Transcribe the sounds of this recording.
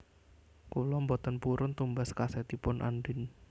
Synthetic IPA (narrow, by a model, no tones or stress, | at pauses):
kulɔmbɔt̪ənpuɾʊnt̪umbaskasɛt̪ipʊnʔa̰nɖɪn